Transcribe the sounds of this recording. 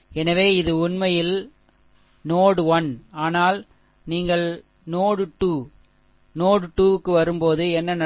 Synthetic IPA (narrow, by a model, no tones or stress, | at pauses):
ɛnɐʋeːɪðɯʊnmɐjɪl | noːɽɯʋɐnaːnaːl | niːŋɡɐɭ | noːɽɯʈːuː | noːɽɯʈːuːɯkːɯʋɐɾɯmpoːðɯɛnːɐnɐ